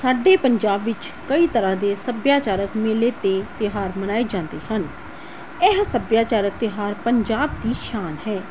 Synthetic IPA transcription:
saːɖeːpəɲd͡ʒaːbʋɪt͡ʃ | kəiːt̪əɾãːd̪eːsəbjaːt͡ʃaːɾəkmeːleːt̪eːt̪ɪɦaːɾmənaːeːd͡ʒãːnd̪eːhən | ɛɦsəbjaːt͡ʃaːɾək̚t̪ɪɦaːɾpəɲd͡ʒaːbd̪iːʃaːnɦɛː

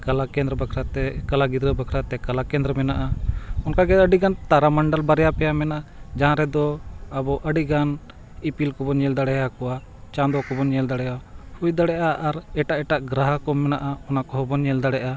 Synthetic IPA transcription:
kalakɛ̃nd̪ɾɛbakʰɾat̪ɛkalaɡid̪ɾəbakʰɾat̪ɛkalakɛ̃nd̪ɾɛmɛnaʔaɔnkaɡɛəɖiɡant̪aɾamaɳɖalbaɾɛjapɛjamɛnaʔad͡ʒaɦãɾɛd̪ɔabɔʔəɖiɡan | ipilkɔbɔɲɛld̪aɽɛjakɔwa | t͡ʃãd̪ɔkɔbɔnɲɛld̪aɽɛjahujd̪aɽɛʔaʔaɾɛʈaʔɛʈaʔɡɾaɦakɔmɛnaʔaɔnakɔɦɔbɔnɲɛld̪aɽɛʔa

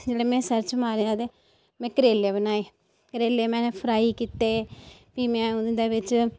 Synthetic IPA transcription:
d͡ʒeːɽeːmɛ̃ːsəɾt͡ʃmaːɾeaːd̪eː | mɛ̃ːkəɾeːlebənaːeː | kəɾeːlːeːmɛ̃ːnepʰɾaːikit̪ːepiːmɛ̃ːʊd̪eːʋɪt͡ʃ

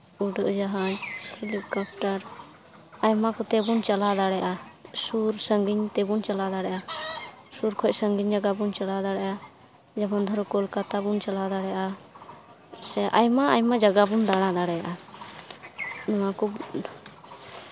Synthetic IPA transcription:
uɖɔʔd͡ʒaɦahelikɔp̚ʈaɾ | ajmakɔt̪ɛbunt͡ʃalad̪aɽɛʔasuɾsəŋɡiɲt̪ɛbunt͡ʃalad̪aɽɛʔa | suɾkʰɔc̚səŋɡiɲd͡ʒaɡabunt͡ʃalad̪aɽɛʔa | d͡ʒɛbɔnd̪ʱɔɾɔkɔlkat̪abunt͡ʃalad̪aɽɛjaʔa | sɛʔajmaajmad͡ʒaɡabund̪aɽ̃ad̪aɽɛjaʔa | nɔwakɔbun

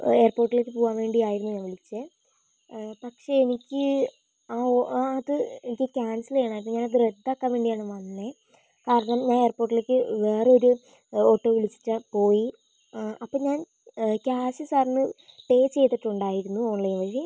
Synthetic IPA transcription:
e̞ːrpoːrʈːile̞k̬ʲːɨpoːʋaːnʋe̞ːɳɖijaːjiɾunːuɲaːnʋiɭit͡ɕːɨ | pɐkʂe̞enikʲːɨ | aːɐðɨenikʲːɨkʲaːnsilɐjaːɳaːjp̬ːoɲaːnɐðɨred̪ːakːaːmʋe̞ːɳɖijaːɳɨʋɐnːe | kaːɾɐɳɐmɲaːne̞ːrpo̞ːrʈːileːkʲːɨʋe̞ːreo̞ɾu | oʈːoːʋiɭit͡ɕːi̥tːapo̞ːji | ɐpːoːɲaːn | kaːsɐsaːrnːɨ | ʈe̞ːt͡ɕt͡ɕe̞jt̪ːiʈːuɳɖaːjiɾunːuo̞ːɳlɐjumʋɐji

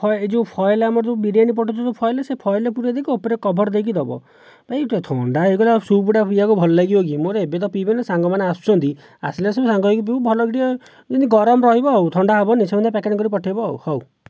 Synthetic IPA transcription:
pʰɔjed͡ʒɔpʰɔjlamɔɾt̪ubiɽianip̬ɔʈʰɔt̪ɔt̪upʰɔjlesepʰɔjlep̬uɾed̪ekiopɔɾekɔbʱɔɾd̪ekid̪ɔbɔ̰ | pajt̪et̪ʰɔɳɖaɦeɡɔlasupuʈapʰijakubʱɔlɔlaɡibɔɡimoɾeebet̪̬ɔpibenesaŋɡɔmaneasu̥t͡ʃʰɔnt̪i | a̰slesebesaŋɡɔekup̬iubʱɔlɔɡiʈiɔ | d͡ʒiniɡɔɾɔmɔɾɔɦibɔɦɔwt̪ʰɔɳɖaɦɔbɔnisemɔnd̪ʱepɛkeɖkɔɾipɔʈʰajbɔɦɔw̰hɔw

